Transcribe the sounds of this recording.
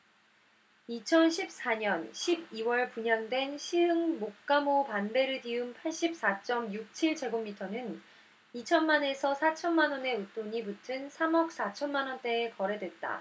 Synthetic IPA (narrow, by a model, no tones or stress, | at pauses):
it͡ɕʰʌnɕʰip̚s͈aɲʌnɕʰib̚iwʌɭpuɲaŋdwe̞nɕʰiɯŋmok̚k͈amopanbe̞ɾɯɭdiunpʰaɭɕ͈ip̚s͈at͡ɕ͈ʌmjuk̚t͡ɕʰiɭt͡ɕʰe̞ɡomːitʰʌnɯn | it͡ɕʰʌnmane̞sʰʌsʰat͡ɕʰʌnmanwʌne̞ut͈oɲibutʰɯnsʰamʌk̚s͈at͡ɕʰʌnmanʌnt͈e̞ːkʌɾe̞dwe̞t̚t͈a̰